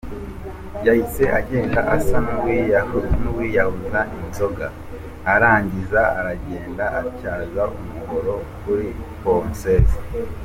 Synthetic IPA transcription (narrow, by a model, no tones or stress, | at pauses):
jahise̞ʔaɟeːndaʔasamuwijanuwijahuzaʔinzo̞ɡaː | ɾaːɲɟizaa̰ɾaɟe̞ːndaʔacaːzaʔumuɡoɾo̞kuɾiponsez